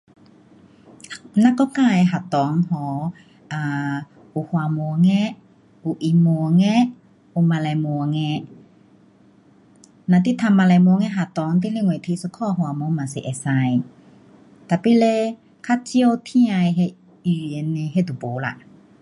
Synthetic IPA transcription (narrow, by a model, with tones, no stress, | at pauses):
na˧kɔ˧˦ka˧˨jɦa˨t̪ɔ˨˦ŋhɔ˨˦ | ʔa˧˨ | ʔu˧˨hwa˧˨mu˧əŋɛ˧ʔ | ʔu˧˨ʔi˧˨mu˧əŋɛ˧˥ | ʔu˧˨ma˧lɛ˧˨mu˧əŋɛ˧ | na˧t̪i˦t̪ʰa˧mːa˧˨lɛ˧˨mu˧ə˦ŋɛ˧˥ɦa˧˨t̪ɔ˨˦ŋt̪̬i˧˨le˧˨ŋwe˨t̪ʰi˧sə˧kʰɔ˧˨hwa˨mu˧˦ma˨si˨ʔɛ˧˨sa˧j | t̪a˨pi˧˨le˧ | kʰa˧˥t͡ɕi˧ə˧wt̪ʰi˧ã˧jɦe˧ | y˧e˧˨ne˧ɦe˧d̪u˨˩bo˨˦la̰˧˨ʔ